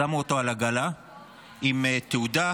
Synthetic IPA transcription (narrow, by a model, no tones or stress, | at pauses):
amuot̪oalaɡala | imet̪eud̪a